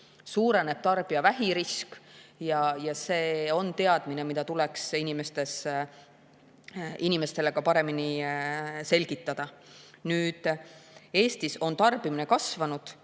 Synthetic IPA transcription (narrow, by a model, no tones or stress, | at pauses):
suːɾe̞ne̞b̥̚t̪ɑrb̥iɑvæɦiɾiskjɑjɑse̞ːo̞nt̪e̞ɑd̪̥mine̞mid̪̥ɑt̪uleksinime̞st̪e̞s | inime̞st̪e̞le̞ɡ̥ɑpɑɾe̞mini | se̞lʲɡ̥it̪ːˑɑd̪̥ɑ | nyːd̪̥ | e̞ːst̪iso̞nt̪ɑrb̥imine̞kɑsvɑnud̪̥